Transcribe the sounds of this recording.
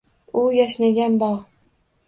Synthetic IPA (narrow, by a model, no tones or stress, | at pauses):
ʊjaʃnaɡʲanbɒʁ